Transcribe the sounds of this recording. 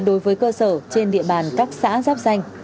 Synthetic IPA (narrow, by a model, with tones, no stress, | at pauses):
ɗo˨˦jvəː˨˦jkəː˧səː˧˩t͡ɕe˧nɗḭ˧˨əɓaː˨˩nkaː˦˥k̚sa̰ː˧˥zaː˦˥p̚za˧jŋ̟